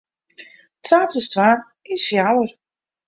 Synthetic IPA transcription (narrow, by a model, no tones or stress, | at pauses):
tʰraːkəstvaː | ɪsfjawər